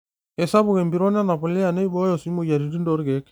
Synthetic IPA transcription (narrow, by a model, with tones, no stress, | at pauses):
e˨sa˦bu˨ke˨mbi˨ɾo˦na˦na˨po˨li˦ja˨ne˦bɔ˦jɔ˨su˨˦mo˨ja˨ɾi˨di˦ndo˦ɾɡe˨˦k